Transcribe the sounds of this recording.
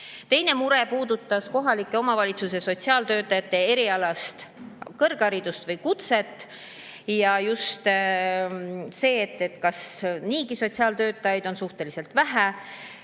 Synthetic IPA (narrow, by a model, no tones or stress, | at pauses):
t̪e̞jne̞muɾepuːd̪ut̪ːˑɑsko̞ɦɑlikːˑe̞o̞mɑvɑlʲit̪suse̞so̞t̪ʲsiɑːlt̪ø̞ːt̪ːˑɑjɑt̪ːe̞e̞ɾiɑlɑst̪kɤ̞rɡ̥ɑɾid̪ust̪vɤjkut̪se̞t̪ːˑ | jɑjust̪ | se̞ːt̪ːet̪kɑsniːɡiso̞t̪ʲsiɑːlt̪ø̞ːt̪ːˑɑjɑjd̪̥o̞nsuht̪e̞lise̞lt̪væɦæ